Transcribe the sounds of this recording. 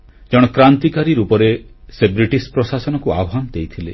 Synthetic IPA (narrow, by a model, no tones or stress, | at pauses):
d͡ʒɔɽ̃ɔkɾant̪ikaɾiɾupɔɾesebɾiʈispɾosasɔnɔkuabʱanɔd̪ejt̪ʰile